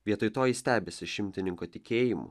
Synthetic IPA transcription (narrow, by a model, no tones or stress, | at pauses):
ʋʲiɛt̪ɐɪt̪oːjɛsʲt̪ʲæːbʲɛsʲɪʃʲɪmʲt̪ʲɪnʲɪŋkoːt̪ʲɪkʲeːjɪmṵ